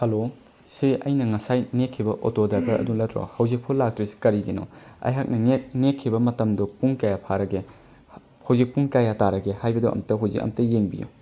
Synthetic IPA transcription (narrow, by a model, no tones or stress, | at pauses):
hɐlo | siʔɐ̰jnɐŋɐsajnekʰːibɐʔotodajbɐɾʔɐ̰dulɐtɾo̰hɐwzik̚pʰulak̚tɾisi̥kɐɾiɡinɔ̰ɐ̰jɦak̚nɐŋet̚nekʰːibɐmɐtɐmdupuŋkajapʰaɾɐɡe | hɐwzik̚puŋkajataɾɐɡehajbɐduʔɐ̰mtɐɦuwzik̚ɐ̰mtɐjeŋbḭjṵ